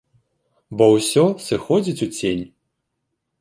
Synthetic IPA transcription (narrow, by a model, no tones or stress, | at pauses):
bɔwsʲɔsɨxɔd͡zʲit͡sʲut͡sʲenʲ